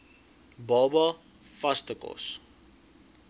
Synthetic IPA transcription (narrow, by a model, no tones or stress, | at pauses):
bɑːbɐ | fɐstəkɔ̰s